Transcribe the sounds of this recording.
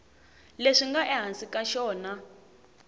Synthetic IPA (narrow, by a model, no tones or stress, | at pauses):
leʂiŋɡaʔɛɦansikaʃɔːna